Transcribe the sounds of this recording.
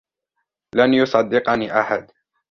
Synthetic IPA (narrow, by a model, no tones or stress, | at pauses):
lanjʊsˤɑd̪ːɪqɑniːʔaħad̪